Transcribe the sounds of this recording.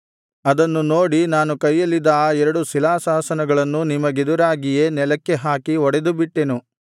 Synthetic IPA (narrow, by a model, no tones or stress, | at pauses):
ɐd̪ɐnːuno̞ːɽinaːnukɐjːɐlːid̪aːɛɾɐɽusilaːsaːsɐnɐɡɐɭɐnːunimɐɡed̪uɾaːɡije̞nɛlɐkːeɦaːkiɔɽed̪ubiʈːe̞nu